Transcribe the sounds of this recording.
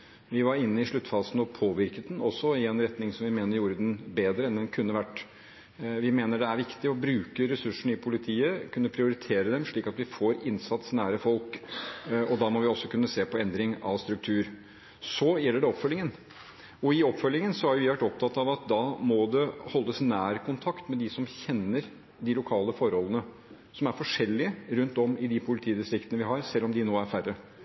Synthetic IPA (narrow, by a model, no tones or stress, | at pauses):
ʋɪʋɑɾɪnːəɪʂɭʉt̪ːfɑːsənɔpʰoːʋɪɾkət̪̚d̪nɔsːɔɪɛnɾɛt̪nɪŋsɔmʋɪmeːnəɾjuːɾəd̪ɛnbeːd̪ɾəɛnd̪ɛnkʰʉnːəʋæʈː | ʋɪmeːnəɖɛæɾʋɪkt̪ɪɔbɾʉːkəɾɛsʉʂɳ̩ɪpʰʊlɪt̪ʰiːəkʰʉnːəpʰɾɪʊɾɪt̪ʰeːɾəd̪ɛmʂɭiːkɑt̪ʋɪfoːɾɪnsɑt̪snæːɾəfɔlk | ɔd̪ɑmɔʋɪɔsːɔkʰʉnːəseːpʰɔɛnd̪ɾɪŋɑ̰ʋst̪ɾʉk̚t̪ʰʉːɾ | sɔjɛlːəɖɛɔpfœlɪŋən | ɔɪɔpːfœlːɪŋənsɔæɾjʊʋɪʋæʈːɔp̚t̪ʰɑt̪ːɑʋɑt̪̚d̪ɑmɔd̪ɛhɔlːəsnæːɾkʰʊnt̪ʰɑkt̪mɛd̪ɪsɔmçɛnːəɾ | d̪ɪlʊkʰɑːləfɔɾhɔlːənə | sɔmæɾfɔʂɛlːɪəɾʉnt̪ɔmɪd̪ɪpʰʊlɪt̪ʰiːd̪ɪst̪ɾɪkt̪ənəʋɪɦɑɾsɛlːɔmd̪ɪnoːæɾfærə